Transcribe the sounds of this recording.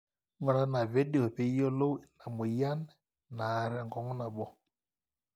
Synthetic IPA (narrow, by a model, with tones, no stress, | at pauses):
ŋɔ˨ɾa˦na˨βɛ˦ɗi˦ɔ˨pe˨˦jɔ˦lo˦˨na˨mu˨ja˦nɛ˦ | naː˨ɾɛ˨ŋɡɔ˨ŋɔ˦na˨ɓɔ˦